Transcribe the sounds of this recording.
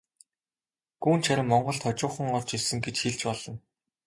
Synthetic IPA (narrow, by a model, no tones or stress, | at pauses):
ɡ̥uːnt͡ɕʰaɾʲɪ̆mːɔɴɢɞ̆ɮt̪ʰɔt͡ɕʊːχə̆ŋɔrt͡ɕisɘ̆ŋɡet͡ɕxiɮt͡ɕpɔɮɞ̆n